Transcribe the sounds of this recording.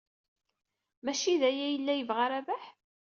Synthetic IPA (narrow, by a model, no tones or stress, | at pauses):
mæʃiðæjæjəlːæjəvʁaɾævæħ